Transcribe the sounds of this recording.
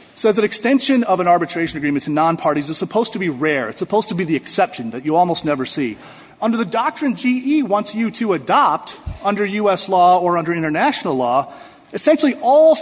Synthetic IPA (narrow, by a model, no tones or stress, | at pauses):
sɛzðɨɾɨkstɛ̃nʃɨ̃nʌvə̃nɑɹbɨtʰɹ̥eɪʃɨnɨɡɹĩmɨ̃ntʰɨnɑ̃npʰɑɹɾizɨz̥səpʰoʊz̥tʰɨbiɹɛɹɨ̰tsəpʰoʊz̥tʰəbiðiɨksɛpʃɨ̃n̩ðɨt͡ʃɨɔlˠmoʊstⁿnɛvə˞sḭ | ʌ̃ndə˞ðɨdɑk̚tɹ̥ɨ̃nd͡ʒiiwɑ̃ntsjɨɾɨədɑp̚tʌ̃ndə˞jʉɛslɔə˞ʌ̃ndə˞ɪ̃ɾ̃ə˞næʃn̩l̩ˠlɔ | ɨsɛ̃nʃl̩ˠiʔɔlˠ